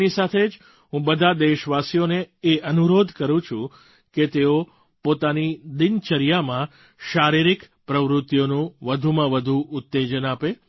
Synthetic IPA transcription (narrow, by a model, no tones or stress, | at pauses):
nisat̪ʰed͡ʒ | ɦũbəd̪ʱad̪eʃʋasjoneːʔənuɾod̪ʱkəɾũt͡ʃʰũ | ket̪eo | pot̪anid̪int͡ʃəɾijamã | ʃaɾiɾik | pɾəʋɾʊt̪ːjonũʋəd̪ʱumãʋəd̪ʱuʔʊt̪ːed͡ʒənape